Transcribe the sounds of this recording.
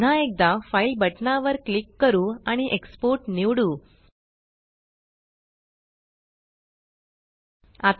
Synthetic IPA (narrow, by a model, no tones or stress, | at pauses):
naek̚d̪afailbəʈnaʋəɾklikːəɾuːaɽ̃iʔekspoɾʈniʋɽuː | at̪